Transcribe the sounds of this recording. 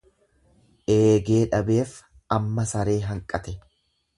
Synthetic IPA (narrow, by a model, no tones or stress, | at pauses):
ʔeːɡe̞ːᶑɐbe̞ːf | ɐmːɐsɐɾe̞ːɦɐŋkʼɐt̪ɛ